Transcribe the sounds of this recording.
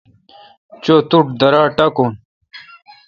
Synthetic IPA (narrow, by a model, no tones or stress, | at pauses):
t͡ɕoːt̪uʈd̪ɐɾaːʈɐkon